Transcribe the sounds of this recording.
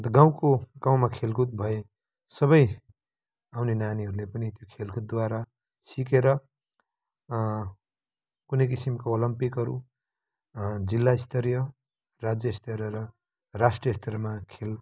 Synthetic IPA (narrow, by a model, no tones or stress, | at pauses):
t̪ʌɡaw̃koɡ̥aw̃makʰelɡut̪̚bʱʌe | sʌβʌj | awnenaniɦʌɾulepʌnit̪jokʰelɡut̪̚d̪waɾa | sikeɾʌ | kunʌjk̬isimkoolʌmpikɦʌɾṵ | d͡zilːaist̪ʰʌɾjʌ | rad͡zjʌist̪ʰʌɾʌɾʌ | rasʈrijʌst̪ʰʌɾmakʰel